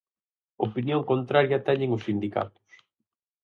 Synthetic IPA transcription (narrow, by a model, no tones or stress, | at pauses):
opinjoŋkont̪ɾaɾjɐt̪ɛɲɪŋʊsːind̪ika̰t̪ʊ̥s